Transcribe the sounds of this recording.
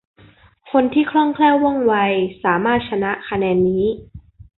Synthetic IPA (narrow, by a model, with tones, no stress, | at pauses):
kʰo˧nt̪ʰiː˥˩kʰlɔ˥˩ŋkʰlɛː˥˩wːɔ˥˩ŋwa˧jsaː˩˦maː˥˩t̪̚t͡ɕʰa˧na˦˥ʔkʰa˧nɛː˧nːiː˦˥